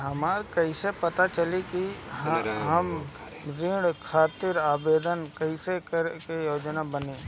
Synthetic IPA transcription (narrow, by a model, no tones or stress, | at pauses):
ɦɐmaːɾkəɪsepɐt̪at͡ʃəliki | ɦɐm | ɾɪ̃ɽkʰaːt̪ɪɾaːbeːd̪ənkɐɪsekəɾkejoːd͡ʒnabəneː